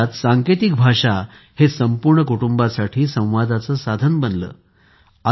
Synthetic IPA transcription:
t̪saŋket̪ik̚bʱaʂa | hesəmpuɾɳəkuʈumbasaʈʰiːsə̃w̃ʋad̪ʱat͡səːsad̪ʱənbənlə̰ː | a

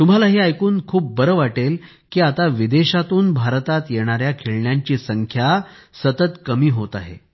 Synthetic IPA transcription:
t̪um̤alaɦiajkuːnkʰuːp̚ːəɾəʋaʈel | kiːat̪aʋid̪eɕat̪uːnbʱaɾt̪at̪jeɽ̃aɾjakʰeɭɳjaɲt͡ɕiːsəŋkʰjasət̪ət̪kəmiːɦot̪a̰ɦḛ

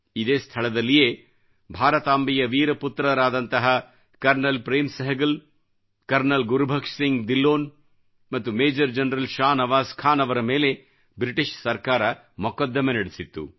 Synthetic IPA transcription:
id̪eːst̪ʰɐɭɐd̪ɐlːijeː | bʱaːɾɐt̪aːmbijɐʋiːɾɐput̪ɾɐɾaːd̪ɐnt̪ɐɦɐ | kɐɾnɐlpɾeːmsɐɦɐɡɐl | kɐɾnɐlɡuɾubʱɐkʂsiŋɡd̪ilːoːn | mɐt̪ːumeːd͡ʒɐɾd͡ʒɐnɾɐlʃaːnɐʋaːskʰaːnɐʋɐɾɐmeːle̞ | bɾiʈiʃsɐɾkaːɾɐ | mɔkɐd̪ːɐmenɐɽisit̪ːṵ

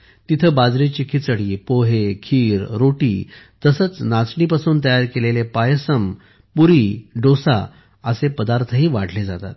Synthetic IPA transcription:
t̪it̪ʰəbad͡zɾet͡ɕikʰit͡səɽiːpoɦekʰiːɾɾoʈḭː | t̪əsət͡snat͡sɳipasuːnt̪əjaɾkelelepajəsəm | puɾiːɖosa̰ | əsepəd̪aɾt̪ʰəɦiːʋaʈʰled͡zat̪a̰t̪̚

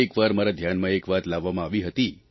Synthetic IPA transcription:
ekʋaɾmaɾad̪ʱjanmãekʋat̪laʋːamãaʋiɦət̪i

